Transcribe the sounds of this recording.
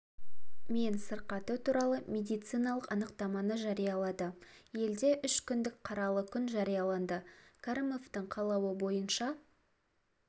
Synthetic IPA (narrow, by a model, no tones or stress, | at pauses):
me̞nsəɾqɑt̪ət̪ʰuɾɑlˠəmʲe̞d̪ijt̪sɨjnɑlˠəqɑnəqt̪ɑmɑnəʒɑɾijɑlˠɑd̪əje̞ld̪e̞ʔʏʃkʲʰʏnd̪ɪkqʰɑɾɑlˠəkʲʰʏnʒɑɾijɑlˠɑnd̪əkʰaɾəme̞ft̪ɪɴqʰɑlˠɑwəbo̞jənʃɑ